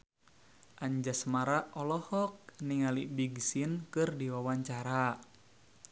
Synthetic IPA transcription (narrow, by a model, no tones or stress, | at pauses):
ʔaɲd͡ʒasmaɾaʔɔlɔhɔk̚niŋalibiɡsinkɨrdiwawaɲt͡ʃaɾa